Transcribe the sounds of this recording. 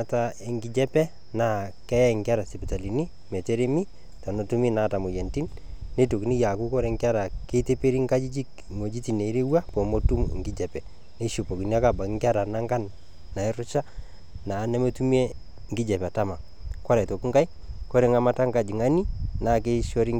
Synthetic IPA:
a˦ta˦e˨ŋɡɪ˦d͡ʒɛ˦pɛ˦ | na˦kɛ˦jɛ˦˨ŋɡɪ˦a˦ɾa˨sɛ˨pi˨ta˨li˨ni˦ | mɛ˨te˦ɾe˦mi˦ | ta˨no˨tu˦mi˦na˦ta˨mo˨jɛ˨nti˦nne˦to˨ki˨ni˦ja˨ku˦kɔ˦ɾe˨˦ŋkɪ˦a˦ɾa˨ke˦te˦pe˦ɾi˦ŋka˦d͡ʒi˦d͡ʒi˦k | ŋo˨d͡ʒi˦ti˨ne˨˦ɾe˦wa˦pɔ˨mo˦tu˦m̰˨ŋɡɪ˦d͡ʒɛ˨pɛ˨ | ne˦ʃo˨po˨ki˨ni˦a˦ka˨ba˨kŋɡa˦ɾa˨na˦ŋɡa˦nː | a˨ɪ˦ɾʊ˦t͡ʃa˦ | naː˨˦ne˦mo˦tu˦mi˦e˦ | ŋɡɪ˦d͡ʒɛ˨pɛ˨ta˦ma˨ | kɔ˦ɾɛ˨to˨ki˦ŋɡa˦i˦ | ko˦ɾe˨˦ŋa˦ma˦ta˦ŋka˨d͡ʒi˨ŋa˦ni˦na˨ke˦ʃɔ˦ɾi˦

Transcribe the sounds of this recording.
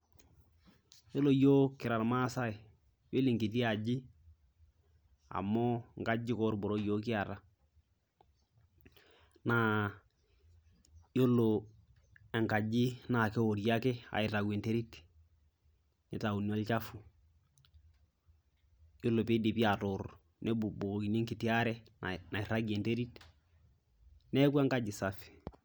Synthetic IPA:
jo˦lo˨jo˦kɪ˨ɾa˨ɾma˦sa˦ɪ˨ | we˦li˨ŋki˨t̬i˦a˨d͡ʒɪ˦ | a̰˨mɔ˦ŋka˦d͡ʒɪ˦kɔ˦ɾbɔ˨ɾɔ˦jo˦kɪ˦a˨ɾa˦ | na˦ | jo˦lo˨ | ɛ˨ŋka˨d͡ʒɪ˦na˨kɛ˦o˨ɾja˦kɛ˦a̰˨ɪ˨ra˨ɡe˨nte˦ɾi˦t | nɛ˨ta˨u˨n˦ɔ˦lt͡ʃa˦fu˨ | jo˦lːo˨pe˦di˨pi˦a˨tʊ˨r | nɛ˦bu˨bo˨ki˨ne˦ŋkɪ˨ti˦a˦ɾɛ˦nna˨ɪ˨ra˦ɡe˨nte˦ɾi˦t | nɛ˦kwa˦ŋka˦d͡ʒɪ˨sa˨f

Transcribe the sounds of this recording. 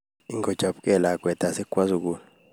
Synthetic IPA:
i˦ŋɡɔd̥ʒ̥ʱa˨ɓkʼɛlakʼwɛ˨d̥ʱʼa˨sɛ˦kʼwa˦zu˨k̬ʼuː˦

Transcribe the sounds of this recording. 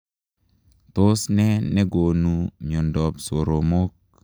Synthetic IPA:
t̪o˦snɛ˦ne˦ɡo˨nu˦mjo˨ndɔ˨pso˨ɾo˨mo˦k̚

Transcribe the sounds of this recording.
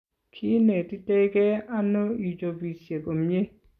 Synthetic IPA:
kʰi˦ne˨tɪ˦te˦ɡɛ˦a˦no˦i˨d͡ʒo˨bi˨sje˨ɡo˨m˦e˦

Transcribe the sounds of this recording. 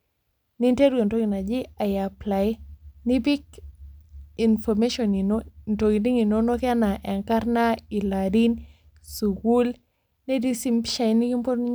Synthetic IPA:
ni˦nte˦ɾu˦e˨nto˦ki˨na˨d͡ʒi˦a˨ja˨pla˨jni˦bi˦k | i˨nfɔme˦ʃɔ˨ni˨no˦nto˨ki˨ndi˦ŋi˨no˦no˦kɛ˦na˨ʔɛ˨ŋka˦ɾna˦i˨la˨ɾi˦n | su˨ku˦l | nɛ˦di˦si˦mpʃa˨i˦ni˦ki˦mpo˦ɾni˦ɲ

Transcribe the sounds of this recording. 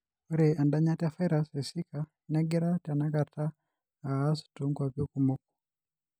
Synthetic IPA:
u˦ɾɛ˨a˨nda˦ɲa˦tafa˦iɾasɛsi˦ka | nɛ˦ɡɛ˦ɾata˨na˦kataː˦ | su̥tuŋɡwa˨vjɔ˦kumɔ˦k̚u̥

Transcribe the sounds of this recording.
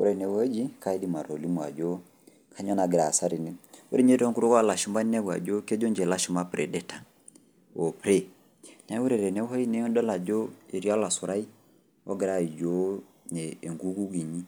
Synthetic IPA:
u˦ɾɛ˨nɛ˨wo˦d͡ʒi˦ka˦i˦di˦ma˨ɾo˨li˦mwa̰˨d͡ʒɔ˦ | kʰa˦ɲɔ˦na˨ɡɛɾa˨sa˦ɾi˨nɛ˦ṵ˦ɾi˦ɲe˦tɔ˦ŋku˦ɾu˦kɔ˦a˦˨la˨ʃu˦ma˦nɛ˦bwa̰˨d͡ʒo˦kɛ˦d͡ʒɔ˦ɲd͡ʒɛ˨la˦ʃu˦ma˦pɾɛ˨dɛ˦ta˨ | ɔ˨pɾɛ˦ | na˨˦wu˦ɾɛ˨ɾɛ˨nɛ˦wɔ˦i˦nɛ˦ɔ˦dɔ˦la˨d͡ʒo˦e˨ɾi˦a˦la˨su˨ɾa˦i˦ | ɔ̰˦ɡɛ˨ɾa˦˨i˨d͡ʒo˦ | ɲɛː˨ŋɡu˦ɡu˦ɡi˨ɲi˦

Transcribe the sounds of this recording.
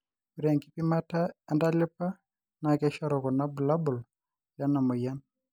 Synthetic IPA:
u˨ɾɛ˨ŋki˦pi˦ma˦ta˦a˦nda˦lɪ˦pa˦ | na˨kɛ˦ʃɔ˦ɾɔ˨kɔ˨na˦bu˨la˦bʊ˨l | ja˦na˨mɔ˨ja˦n

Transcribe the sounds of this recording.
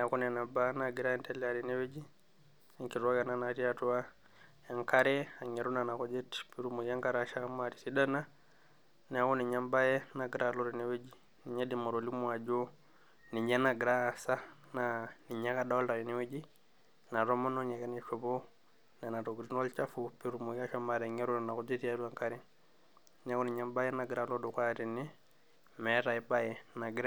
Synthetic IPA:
n˨a˨kɔ˦na˨na˨banaɡi˨ɾa˦jɛ˦ntɛ˦lɛa˨ɾi˨nɛ˦we˦d͡ʒi˦ | si˦ŋki˨ɾa˦ka˨nana˨ɾi˦atu˦a˦ | ja˨ŋka˦ɾɛ˦a˨ɲe˨ɾu˦na˨na˨kɔ˦d͡ʒɛ˦tpi˦ɾu˦mu˨ka˦ŋka˦ɾa˨ʃa˦ma˨ɾi˨si˦ɗa˦na˦ | ni˨a˨kɔ˦ni˨ɲa˦mba˦jɛ˦na˨ɡɾalɔ˦ɾine˦we˦d͡ʒi˦ | ni˨ɲa˦di˨mo˨ɾo˨li˦mu˨a˨d͡ʒo˦ | ni˨ɲɛ˦na˨ɡɾa˦˨sa˦ | na˨ni˨ɲa˦ka˦da˦ɔ˦la˨ɾi˨ni˦we˦d͡ʒi˦ | na˨ɾɔ˦mɔ˦nɔ˦ɲɛ˨ka˦nɛ˦ʃɔ˨bo˦ | na˨na˨ɾo˨ɡɾi˦nɔ˦lt͡ʃa˦fu˨pi˦ɾu˨mu˨˦ka˦ʃɔ˦ma˨ɾɛ˨ŋɛ˦ɾu˦ɾna˨ku˦d͡ʒe˦ti˦a˦du˦a˨ŋka˦ɾi˦ | n˨˦a˦ku˦ni˨ɲa˦mba˦jɛ˦na˨ɡɾa˨lɔ˦du˨kʷa˦ɾi˨ni˦ | mɛ˨˦ɾa˨i˦ba˦jɛ˨na˨ɡɾa˦

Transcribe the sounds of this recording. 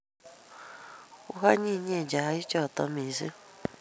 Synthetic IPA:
u˦ɦa˦ɲi˦˨ɲe˦˨d͡ʒa˨a˦i˦t͡ʃɔ˦˨tɔ˦mi˨zi˦

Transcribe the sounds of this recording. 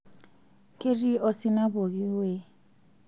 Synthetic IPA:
kʼe˦ri˦o˦sɪ˦na˦bo˨ɣi˦we˦˨

